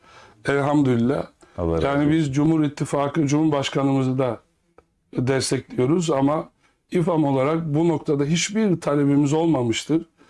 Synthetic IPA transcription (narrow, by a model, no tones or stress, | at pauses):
ælʲɦamd̪ylʲilʲːa̰ | jaːnibizd͡ʒumhuɾit̪ʰːifaːkɯd͡ʒumuɾbaʃkʰanɯmɯzɯd̪a | d̪ɛst̪ʰɛclʲijo̞ɾuzama | ifamo̞lˠaɾak̚buno̞kt̪ʰad̪aɦit͡ʃbiɾt̪ʰalʲebimizo̞lˠmamɯʃt̪ʰɯɾ̥